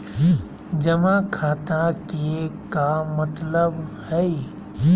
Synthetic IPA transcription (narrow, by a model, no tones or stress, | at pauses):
d͡ʒɐmakʰaːt̪ãkikamɐt̪ləbhɛi